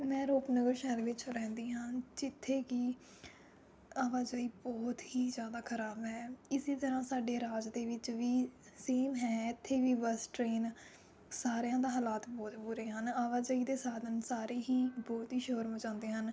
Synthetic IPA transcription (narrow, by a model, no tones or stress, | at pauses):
mɛ̃ːɾoːpnəɡəɾʃɛːɾʋɪt͡ʃɾɛ̃ːnd̪iːɦãːd͡ʒɪt̪ʰːeːkiː | aːʋaːd͡ʒəːiːbɔːt̪ɦiːzjaːd̪aːkʰəɾaːbɦɛːɪseːt̪əɾãːsaːɖeːɾaːd͡ʒd̪eːʋɪt͡ʃʋiː | seːmɦɛːɪt̪ʰːeːʋiːbəsʈɾeːn | saːɾejãːd̪aːɦaːlaːt̪bɔːt̪buːɾeːɦənaːʋaːd͡ʒəːiːd̪eːsaːd̪ənsaːɾeːɦiːbɔːt̪ɦiːʃoːɾmõːd͡ʒãːnd̪eːɦən